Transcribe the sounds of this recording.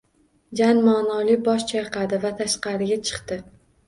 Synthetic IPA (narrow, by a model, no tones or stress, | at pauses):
d͡ʒanmaːnɒlɪbɒʃt͡ʃʰajqʰɑd̪ɪvat̪ʰaʃqɑɾɪɡʲat͡ʃʰɨ̥qt̪ɪ